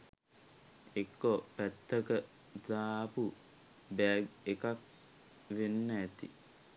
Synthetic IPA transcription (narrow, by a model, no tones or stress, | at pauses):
ekːopæt̪ːəkə | daːpu | bɛɡekak̚ | ʋenːəɛt̪ḭ